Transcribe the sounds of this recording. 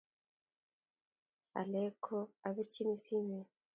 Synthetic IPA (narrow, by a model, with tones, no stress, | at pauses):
a̰˨le˦kʰo˦a˨βi˦ɾt͡ʃi˦ni˦si˦ne˨